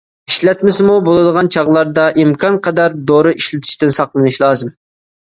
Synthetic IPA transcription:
iʃlɛt̪mɪsmubolˠɨd̪əʁɑnt͡ʃʰɑʁlˠɑɾd̪ɑʔimkʰɑnqʰɛd̪ɑɾd̪oɾɨʔiʃlɪt̪ʰɪ̥ʃt̪ɪnsɑqlˠɨnɨʃlˠɑːzɨm

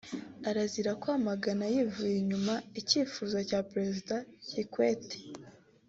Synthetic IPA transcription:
aɾaziɾakwaːmaɡanajivujjiɲumaiciːfuːzacaːpɾe̞zidacikweːte̥

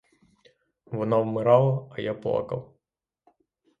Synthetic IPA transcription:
ʋɔnɑwmɪɾɑlˠɐːjaplˠɑ̰kɐ̰wˠ

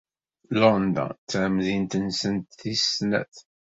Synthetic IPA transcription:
lɔnd̪ə̰nt͡st͡sːʕmðint̪ənsənt̪θisnæ̰θ

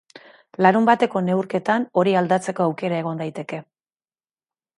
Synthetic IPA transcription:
laɾumbat̪e̞ko̞ne̞uwɾke̞t̪ano̞ɾiald̪at͡se̞ko̞awke̞ɾae̞ɣ̞o̞nd̪ajt̪e̞ke̞

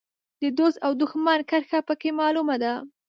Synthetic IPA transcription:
d̪əd̪osawd̪ʊxmɑnkəɾxapəkemɑlumad̪a

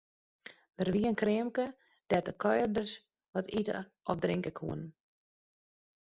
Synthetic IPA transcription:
dərʋiənkrɪəmkə | d̥ɛtəkʰɔjrdərs | ʋɔtʰitə̰ʔɔfdrɪŋkəkʰṵən

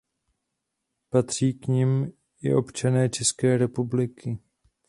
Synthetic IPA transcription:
pat̪r̝̥iːkɲɪm | ɪ̰ʔo̞pt͡ʃanɛːt͡ʃɛskɛːɾɛpublɪkʰɪ

